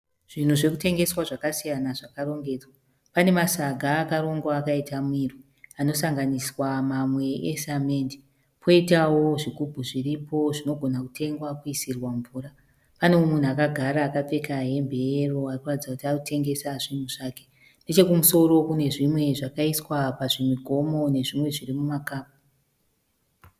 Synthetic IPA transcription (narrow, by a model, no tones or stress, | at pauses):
ʐ̥in̤uʐe̞kute̞ŋɡe̞swaʐakasijanaʐakaro̞ŋɡe̞d͡zwa | pane̞masaɡʱaːkaɾo̞ŋɡwaːkaitʰamwirwi | ano̞saŋɡaniswamamwe̞ʔesamendi̥ | pʰo̞itawo̞ʐikubʱuʐiripo̞ʐino̞ɡʱo̞nakutʰe̞ŋɡwakuisirwaɱvuːra | pane̞omun̤uakaɡʱaɾaːkap͡fe̞kaɦe̞mbʱeeroarikuratid͡zakutiakutʰe̞ŋɡe̞saʐin̤uʐaːke̥ | nde̞t͡ʃe̞kumuso̞ɾo̞kune̞ʐimwe̞ʐakaiswapaʐimiɡʱo̞mo̞ne̞ʐimwe̞ʐirimumakaːp̚u̥